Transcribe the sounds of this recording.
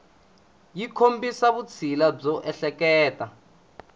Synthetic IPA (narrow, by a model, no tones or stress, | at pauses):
jikʰombisaβut͡sʰilab͡ʐɔʔɛɬɛkɛːta